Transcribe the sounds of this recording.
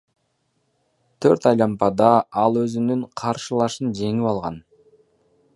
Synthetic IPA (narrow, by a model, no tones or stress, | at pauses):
t̪ʰøɾt̪ɑjlˠɑmpɑd̪ɑɑlˠø̞zynyɴqʰɑɾʃɯlˠɑʃɯnd͡ʒe̞ŋipɑlˠʁɑ̰n